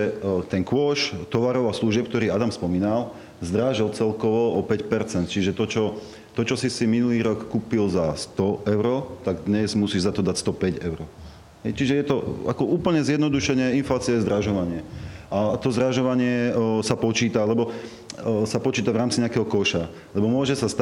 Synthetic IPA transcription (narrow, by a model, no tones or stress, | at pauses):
ɛt̪ɛnkʋɔʃt̪ɔʋaɾɔʊasluʒɪɛpk̚t̪ɔɾiːad̪amspɔmiːnal | zd̪ɾaːʒilt͡sɛlkɔʋɔɔpɛcpɛɾt͡sɛnt̪t͡ʃiʒɛt̪ɔt͡ʃɔ | t̪ɔt͡ʃɔsisiminuliːɾɔkːuːpilzast̪ɔʔɛʊɾɔt̪aɡd̪ɲɛzmusiːʒzat̪ɔd̪acst̪ɔpɛɟɛʊɾɔ | ɦɛjt͡ʃiʒɛjɛt̪ɔ̰a̰kɔʔuːpl̩ɲɛzjɛd̪nɔd̪uʃɛɲɛinflaːt͡siajɛzd̪ɾaʒɔʋaɲɪɛʔat̪ɔzɾaʒɔʋaɲɪɛsapɔt͡ʃiːt̪alɛbɔ | sapɔt͡ʃiːt̪avɾaːmt͡siɲɛakɛɦɔkɔʃa | lɛbɔmʊɔʒɛsast̪